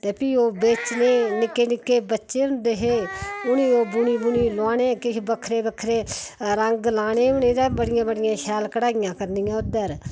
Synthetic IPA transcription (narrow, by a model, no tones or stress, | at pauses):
t̪eːpʰiːoːbeːt͡ʃneːnɪkeːnɪkːeːbətːʃeːʊnd̪eːɦeːʊniːoːbʊniːbʊniːlaːneːkɪʃbəkʰɾeːbəkʰɾeːɾəŋɡlaːneːʊnẽːd̪abəɽɪjãːbəɽɪjãːʃɛːlkəɽaːɪjãːkəɾnijãːʊd̪əɾ